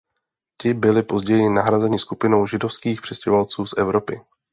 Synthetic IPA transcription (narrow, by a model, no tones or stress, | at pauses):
c̪ɪbɪlɪpo̞zɟɛjɪnaɦɾazɛɲɪskupɪno̞wʒɪdo̞fskiːxpr̥ɛscɛovalt͡suːsʔɛvɾo̞pɪ